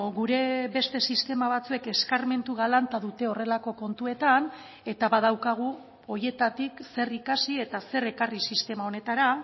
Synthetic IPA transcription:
ɣuɾe̞be̞st̪e̞sist̪e̞maβ̞at͡sue̞ke̞skarme̞nt̪uɣalant̪aðut̪e̞o̞re̞lako̞ko̞nt̪ue̞t̪an | e̞t̪aβað̞awkaɣ̞u | o̞je̞t̪at̪ikse̞rikasie̞t̪ase̞re̞karisist̪e̞mao̞ne̞t̪aɾa

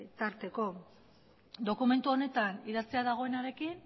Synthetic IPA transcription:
t̪aɾt̪e̞ko̞ | d̪o̞kume̞nt̪uo̞ne̞t̪aniðat͡seaðaɣ̞o̞e̞naɾe̞kin

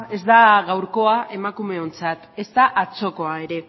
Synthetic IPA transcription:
e̞zd̪aɣawɾko̞ae̞makume̞o̞nt͡sat̪e̞st̪aʔat͡so̞ko̞ae̞ɾe̞

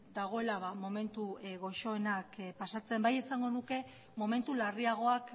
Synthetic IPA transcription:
d̪aɣ̞o̞e̞laβamo̞me̞nt̪uɣo̞ʃo̞enakpasat͡se̞mbaje̞saŋɡo̞nuke̞ | mo̞me̞nt̪ulariaɣ̞o̞ak

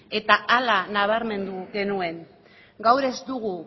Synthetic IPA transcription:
e̞t̪aʔalanaβ̞aɾme̞nd̪uɣe̞nue̞ŋ | ɡawɾe̞zd̪uɣ̞u

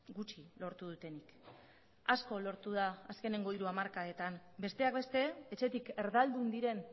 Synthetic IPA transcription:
ɡut͡ʃilo̞ɾt̪uðut̪e̞nik | asko̞lo̞ɾt̪uð̞aːske̞ne̞ŋɡo̞iɾuamaɾkaet̪ambe̞st̪e̞ak̚be̞st̪e̞et͡ʃe̞t̪ike̞ɾðald̪und̪iɾe̞n

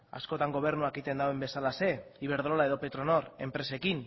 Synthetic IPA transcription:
a̰sko̞t̪aŋɡo̞β̞e̞ɾnuakit̪e̞nd̪awembe̞salase̞iβe̞ɾðɾolae̞ðo̞pe̞t̪ɾo̞no̞ɾe̞mpɾe̞se̞kin

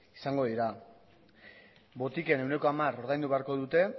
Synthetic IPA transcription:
isaŋɡo̞ðiɾa | βbo̞t̪ike̞ne̞wne̞ko̞amaɾo̞ɾð̞ajnd̪uβe̞aɾko̞ðut̪e̞

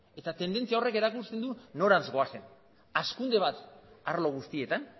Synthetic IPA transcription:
e̞t̪at̪e̞nd̪e̞nt͡siao̞re̞ke̞ɾakust̪e̞nd̪uno̞ɾanzɡo̞ase̞n | askund̪e̞βat̪aɾlo̞ɣ̞ust̪ie̞t̪an

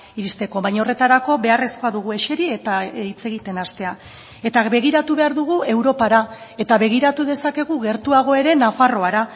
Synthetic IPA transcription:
iɾist̪e̞ko̞βajɲao̞re̞t̪aɾako̞be̞are̞sko̞aðuɣ̞ue̞ʃe̞ɾie̞t̪ait͡se̞ɣ̞it̪e̞nast̪e̞a | e̞t̪aβe̞ɣ̞iɾat̪uβe̞aɾðuɣ̞ue̞wɾo̞paɾae̞t̪aβe̞ɣ̞iɾat̪uðe̞sake̞ɣ̞uɣe̞ɾt̪uaɣ̞o̞e̞ɾe̞nafaro̞aɾa

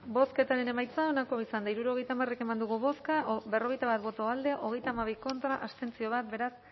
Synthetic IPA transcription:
bo̞ske̞t̪aɾe̞ne̞majt͡sao̞nako̞isand̪aiɾuɾo̞ɣ̞e̞jt̪amare̞ke̞mand̪uɣuβo̞skabe̞ro̞ɣ̞ejt̪aβat̪̚bo̞t̪oald̪e̞ʔo̞ɣe̞jt̪amaβ̞iko̞nt̪ɾaʔast̪e̞nt͡sio̞β̞at̪̚be̞ɾas

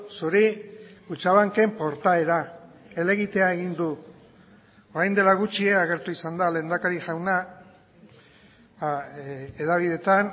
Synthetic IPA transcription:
suɾiut͡ʃaβaŋke̞mpo̞ɾt̪ae̞ɾa | e̞le̞ɣit̪e̞aeɣind̪u | oɾajnd̪e̞laɣ̞ut͡ʃie̞aɣ̞e̞ɾt̪uisand̪ale̞ːnd̪akaɾiʝawna | eðaβ̞iðe̞t̪an

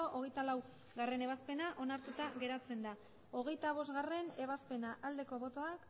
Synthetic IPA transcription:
oʔoɣ̞e̞jt̪alaw | ɣare̞ne̞βaspe̞naʔo̞naɾt̪ut̪aɣe̞ɾat͡se̞nd̪a | o̞ɣe̞jt̪aβo̞zɡare̞ne̞β̞aspe̞naʔald̪e̞ko̞βo̞t̪o̞ak

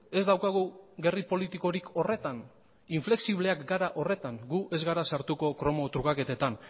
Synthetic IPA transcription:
e̞zd̪awkaɣuɣe̞ripo̞lit̪iko̞ɾiko̞re̞t̪an | iɱfle̞ksiβleakɡaɾaʔo̞re̞t̪aŋɡuʔe̞zɣaɾasaɾt̪uko̞kɾo̞mo̞t̪ɾuɣake̞t̪e̞t̪an

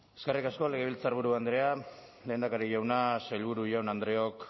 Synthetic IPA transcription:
e̞skerikasko̞le̞ɣeβ̞ilt͡saɾβ̞uɾuand̪ɾe̞a | le̞ːnd̪akaɾiʝawnasailβuɾuʝawnand̪ɾeo̞k

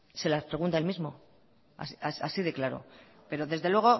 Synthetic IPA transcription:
se̞laspɾeɣunt̪aelmizmo̞̰ | a̰siasasiðe̞klaɾo̞̰ | pe̞ɾoðe̞zðe̞lwe̞ɣ̞o̞

